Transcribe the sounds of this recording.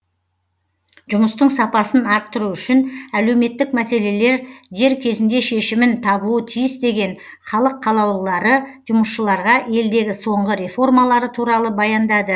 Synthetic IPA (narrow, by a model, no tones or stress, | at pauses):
ʒ̥ʊməst̪əɴsɑpɑsənɑɾt̪ːəɾuʏʃɪnæle̞wme̞t̪ːɪkmæse̞le̞le̞ɾʒe̞ɾkʲʰe̞zɪnd̪e̞ʃe̞ʃɪmɪnt̪ʰɑbuət̪ʰijɪsd̪e̞ɡʲe̞n | χɑlˠəqʰːɑlˠɑw̪lˠɑɾəʒʊməsʃəlˠɑɾʁɑe̞ld̪e̞ɡʲɪso̞ɴʁəɾe̞fo̞rmɑlˠɑɾət̪ʰuɾɑlˠəbɑjɑnd̪ɑd̪ə